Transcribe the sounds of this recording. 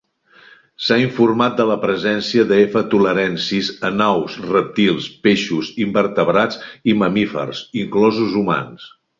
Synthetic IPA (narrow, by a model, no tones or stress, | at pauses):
saiɱfurmat̪̚d̪ələpɾəzɛnsiəðəefət̪uləɾɛnsizənawsrəp̚t̪ilˠspeʃuzimbərt̪əβɾat͡siməmifə̰rsiŋklɔzuzuma̰ns